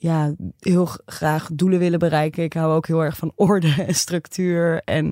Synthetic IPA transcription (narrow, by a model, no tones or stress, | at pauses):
jaːɦɪːlˠχraːχduləʋɪləbərɛjkənɪkɦawowkɦɪːlˠɛɹχfɑnɔɹdəɛnstrɵktyːɹɛn